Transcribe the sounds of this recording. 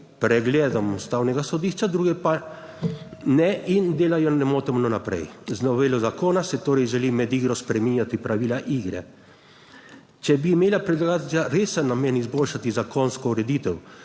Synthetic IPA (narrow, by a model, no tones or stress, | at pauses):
pɾɛɡlɛːd̪ɔmust̪aːwnɛɡasɔd̪iʃt͡ʃad̪ɾuːɡɛpa | nɛʔind̪eːlajɔnɛmoːt̪ɔmnɔnapɾɛ̰jznɔʋeːlɔzakoːnasɛt̪oːɾɛjʒɛlimɛd̪iɡɾɔspɾɛminjat̪ipɾaʋiːlaʔiːɡɾɛ̰ | t͡ʃɛbiːmeːlapɾɛd̪laɡaːt̪lʲjaɾeːsanːamɛnizboːlʃat̪izakonskɔuɾɛd̪iːt̪ɛw